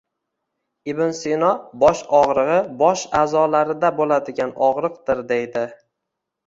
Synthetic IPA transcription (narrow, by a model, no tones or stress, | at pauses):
ɪbɪnsinɒbɒʃɒʁɾɨʁɨbɒʃaːzɒlaɾɪd̪abolad̪ɪɡʲanɒʁɾɨqd̪ɪɾd̪ejd̪ɪ